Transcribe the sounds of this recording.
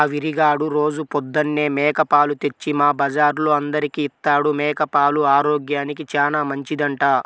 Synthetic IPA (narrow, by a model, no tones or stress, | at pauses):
aːʋiɾiɡaːɽuɾo̞ːd͡ʒupɔd̪ːɐnːe̞ːmɛːkɐpaːlut̪e̞t͡ʃːimaːbɐd͡ʒaːɾloːɐnd̪ɐɾikiːt̪ːaːɽumɛːkɐpaːluaːɾoːɡjaːnikit͡ʃaːnaːmɐɲt͡ʃid̪ɐɳʈaː